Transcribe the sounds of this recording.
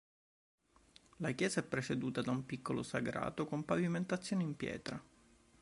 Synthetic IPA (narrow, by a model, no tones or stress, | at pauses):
lakjɛːzaɛpːɾet͡ʃed̪uːt̪ad̪aumpikʰːolo̰saɡɾa̰ːt̪okompaviment̪at̪sːjoːneimpjɛ̰ːt̪ɾa